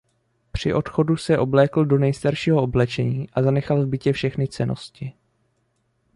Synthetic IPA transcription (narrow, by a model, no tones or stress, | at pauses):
pr̝̥ɪʔo̞t̪xo̞dusɛʔo̞blɛːkl̩do̞nɛjst̪aɾʃiːɦoʔoblɛt͡ʃɛɲiːʔazanɛxalvbɪcɛfʃɛxnɪt͡sɛnʔo̞̰scɪ